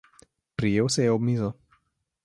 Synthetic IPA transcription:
pɾijewsejɛobmizɔ

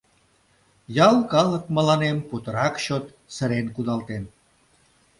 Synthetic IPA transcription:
jɑlkɑlək̚mə̆lɑnemput̪əɾɑkɕot̪ | sə̆ɾenkud̪ɑlt̪en

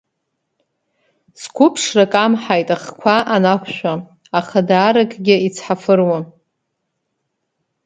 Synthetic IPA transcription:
skʷʰʊpʰʂrakʼamħajtʼaχkʷʰaʔanakʷʰʃʷᶣa | aχadaːɾakʰʼɡʲɪit͡sʰħafɨrwa

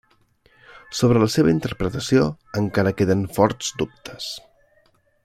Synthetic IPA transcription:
soβ̞ɾələseβ̞əint̪əɾpɾət̪əsio | əŋkaɾəkeðəɱfɔɾz̥d̪up̚t̪ʰə̥s

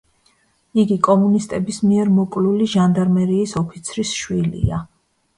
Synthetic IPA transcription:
iɡikʼɔmunist̪ʼɛbismiɛɾmɔkʼluliʒand̪aɾmɛɾiːsɔpʰit̪sʰɾisʃwilḭa

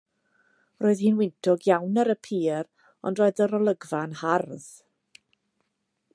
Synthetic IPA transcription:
roːɨðhiːnwɪntʰɔɡjawnəɾəpʰiːɾ | ɔ̰ndroːɨðəɾɔlˠəɡvanharð

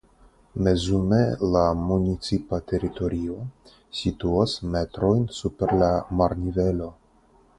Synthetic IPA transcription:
me̞zume̞lamunit͡sipate̞ɾito̞ɾio̞ | situasme̞tɾo̞jnsupe̞ɾlamaɾnive̞lo̞

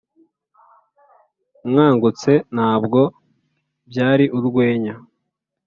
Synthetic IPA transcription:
mŋaːŋɡut͡se̞n̥aːbɡo̞ | bɟaːɾiʔuɾɡwe̞ːɲa

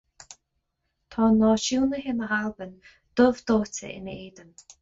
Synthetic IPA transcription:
t̪ʰɔːnɔːʃuːnəɦɪnəɦalbən | d̪̥ʊvd̪oːtə̰ʔɪ̰nəeːd̪əm

